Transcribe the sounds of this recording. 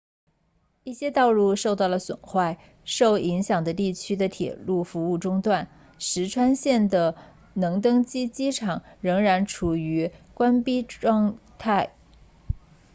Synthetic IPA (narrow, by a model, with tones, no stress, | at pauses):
i˥˩ɕjɛ˥t̪ɑ˥˧ʊlu˥˧ʂo˥˧ʊt̪ɑ˥˩ʊlə˩swə̰˨˩nxwa˥˧ɪ | ʂo˥˩ʊi˧˥ŋɕjɑ˨˩ŋd̪ə˦t̪i˥˩t͡ɕʰy˥d̪ə˨t̪ʰjɛ̰˨˩lu˥˩fu˧˥u˥˩ʈ͡ʂʊ˥ŋt̪wa˥˩n | ʂɻ̩˧˥ʈ͡ʂʰwa˥nɕjɛ˥˩nd̪ə˩ | nɤ˧˥ŋt̪̬ɤ˥ŋt͡ɕi˥t͡ɕi˥ʈ͡ʂʰɑ˨˩˦ŋɻɤ˧˥ŋɻa˧˥nʈ͡ʂʰu˨˩y˧˥kwa˥npi˥ʈ͡ʂwɑ˥˧ŋt̪ʰa˥˩ɪ